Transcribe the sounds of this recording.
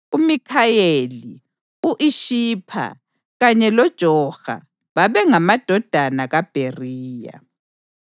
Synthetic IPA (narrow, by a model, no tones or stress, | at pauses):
umikʰajeli | uʔiʃiːpʰa̰ | ɣaɲɛlɔd̥ʒ̥ʱɔɣa̰ | βaβɛŋamad̥ʱɔd̥ʱanaɣab̥ʱeriːja̰